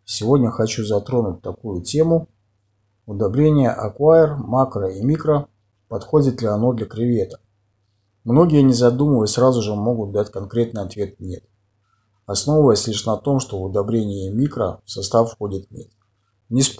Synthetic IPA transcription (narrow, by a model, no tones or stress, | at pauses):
sʲɪvo̞dʲnʲəxɐt͡ɕuzɐt̪ɾo̞nʊt̚ʲt̪ɐkujʊtʲe̞mʊ | ʊd̪ɐbɾʲenʲɪjəʔɐ̰kvaɪrmakɾəimʲikɾə | pɐt̪xo̞dʲɪt̪lʲɪɐno̞d̪lʲəkɾʲɪvʲe̞t̪ə̥ | mno̞ɡʲɪjənʲɪzɐd̪uməvəsʲɾazʊʐɨmo̞ɡʊt̪̚d̪atʲkɐnkɾʲe̞t̪̚nɨjɐt̪vʲe̞t̪̚nʲe̞t̪ | ɐsno̞vəvəjəsʲlʲiʂnɐt̪o̞mʂt̪o̞vʊd̪ɐbɾʲenʲɪjəmʲikɾə̰fsɐst̪afxo̞dʲɪt̪nʲḛt̪ | nʲɪs